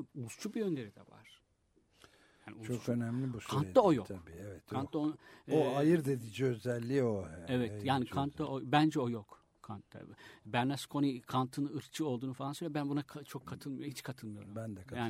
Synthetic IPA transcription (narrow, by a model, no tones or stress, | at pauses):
uzt͡ʃʰubijø̞nlʲe̞ɾid̪ɛ̰va̰ɾ̥ | jaːnḭut͡ʃʰoønɛmlʲibuskʰanaojotʰaiːevɛt̪ʰant̪ːaonuoajɯɾd̪ed̪id͡ʒiøzɛlʲːioɛevɛjaːnikʰant̪ʰd̪aobænd͡ʒɛojo̞k | kʰːant̪ʰːa̰bæɾnɛskʰo̞nikʰant̪ʰɯnɯɾt͡ʃʰɯo̞lˠd̪uːnufalˠansøɾlʲabænbunakʰat͡ʃʰo̞kʰːat̪ʰɯlˠmajoɦit͡ʃkʰat̪ʰɯlˠmɯjo̞̰ɾumbænd̪ɛkmʰajaːn